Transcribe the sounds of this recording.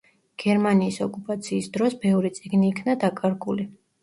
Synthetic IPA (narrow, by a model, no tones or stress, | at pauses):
ɡ̥ɛɾmaniːsɔkʼupʼat̪sʰiːsd̪ɾɔsbɛvɾit̪sʼiɡniːkʰnad̪akʼaɾɡuli